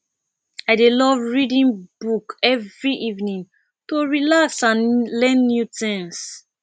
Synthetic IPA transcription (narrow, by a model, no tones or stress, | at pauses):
aɪdelɔvɹidĩnb̥ukɛvɹiʔivnĩn | toɹilaksãnlɛ̃nːjutɛ̃ms